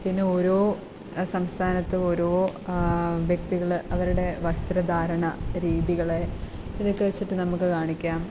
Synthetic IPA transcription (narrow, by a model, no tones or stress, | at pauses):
pinːeo̞ɾo̞ː | sɐmst̪ʰaːnɐt̪ːɨo̞ɾo̞ː | ʋjɐk̚t̪iɣɐɭʔɐʋɐɾuɽe̞ʋɐst̪ɾɐd̪ʱaːɾɐɳɐɾiːðiɣɐɭe | iðokːeʋɐt͡ɕːiʈːɨnɐmukːɨkaːɳikʲːaːm